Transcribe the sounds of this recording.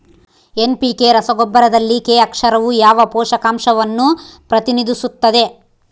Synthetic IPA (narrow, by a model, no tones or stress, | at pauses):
enpikeːɾɐsɐɡobːɐɾɐd̪ɐlːikeːɐkʂɐɾɐʋujaːʋɐpɔːʂɐkaːmʂɐʋɐnːupɾɐt̪inid̪isut̪ːɐd̪e̞